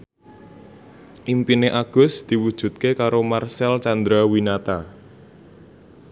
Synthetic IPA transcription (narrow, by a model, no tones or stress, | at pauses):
ʔimpineʔaɡ̥ʊ̤sd̪̥i̤wud̥ʒ̥ṳt̪̚kekaɾomarsɛlt͡ʃand̪ɾawinat̪a